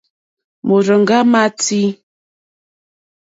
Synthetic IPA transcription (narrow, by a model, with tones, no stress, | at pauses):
mo˨ɾə˨ŋ˨ɡa˦ma˦ti˦